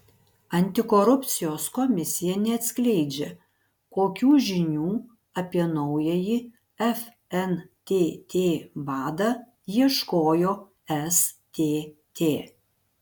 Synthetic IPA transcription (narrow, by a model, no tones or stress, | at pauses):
ɐnʲt̪ʲɪkoɾʊpʲt̪sʲɪjoːskoːmʲɪsʲɪjɛnʲɛɐt̪ʲsʲkʲlʲɛɪd͡ʒʲɛ | koːkʲuːʒʲɪnʲuː | ɐpʲiɛnɒʊjɛjɪ | ɛf | ɛnt̪ʲeːt̪ʲeːbɑːd̪ɑ | jiɛʃkoːjoː | ɛst̪ʲeːt̪ʲeː